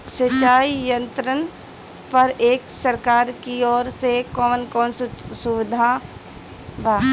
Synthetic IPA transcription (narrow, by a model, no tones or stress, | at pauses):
sət͡ʃaːijə̃nt̪ɾən | pɐɾeːksɐɾkaːɾkiɔːɾsekɔːnkɔːnssuʋɪd̪ʱaː | bʱaː